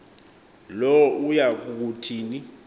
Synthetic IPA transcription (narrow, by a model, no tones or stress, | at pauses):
lɔujak̬ʼuk̬utʰiːni